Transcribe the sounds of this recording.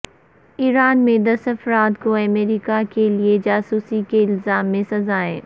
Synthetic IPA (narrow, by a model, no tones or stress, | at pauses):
iːɾaːnmẽd̪ɐsɐfɾaːt̪koɐmeːɾiːkakelied͡ʒaːsuːsikeɪlzaːmːẽsɐzaːḛ̃ː